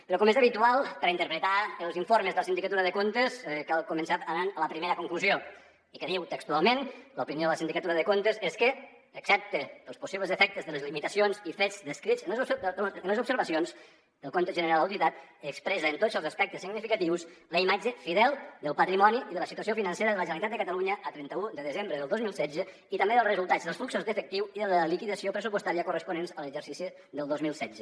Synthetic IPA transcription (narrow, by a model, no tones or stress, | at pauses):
pəɾɔkɔmezəβit̪ualˠpəɾaint̪əɾpɾət̪aəlˠziɱfoɾməzðələsind̪ikat̪uɾəðəkont̪eskalˠkumənsaənanələpɾimeɾəkuŋkluzio | ikəðiwt̪əkst̪ualˠmenləupinioðələsind̪ikət̪uɾəðəkont̪əzeskə | əksɛp̚t̪əəlˠspusiβləzəfɛk̚t̪əzðələzlimit̪əsionzifed͡zd̪əskɾid͡zənzsənləzupsəɾβəsionz | d̪əlˠkont̪əʒənəɾalˠəwt̪it̪at̪əkspɾɛzəːnt̪od͡zəlˠzəspɛk̚t̪əsːiɡnifikət̪iwsləimad͡ʒəfiðɛlˠd̪əlˠpət̪ɾimɔniiðələsit̪uəs̬ijofinənseɾəðələʒənəlit̪at̪d̪əkət̪əluɲəʔət̪ɾɛnt̪əud̪əðəzembɾəðəlˠozmilˠsɛzə | it̪əmbeðəlˠzrəzulˠt̪azðəlˠsfluksuzd̪əfək̚t̪iwiðələlikiðəsiopɾəsupəst̪aɾiəkurəspunenzələɡʒəɾsisi | ðəlˠd̪ozmilˠsɛz̥ə